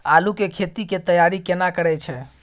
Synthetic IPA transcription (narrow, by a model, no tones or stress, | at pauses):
alukekʰet̪iket̪əjaɾikenakəɾɛt͡ʃʰɛ